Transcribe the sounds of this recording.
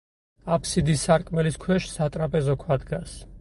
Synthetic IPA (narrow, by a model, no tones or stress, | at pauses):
apʰsid̪isaɾkʼmɛliskʰwɛʃsat̪ʼɾapʼɛzɔkʰwad̪ɡas